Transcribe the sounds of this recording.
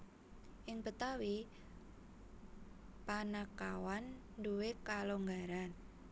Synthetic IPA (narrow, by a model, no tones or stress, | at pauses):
ʔɪŋpət̪awi | panakawan | duwekaloŋɡaɾan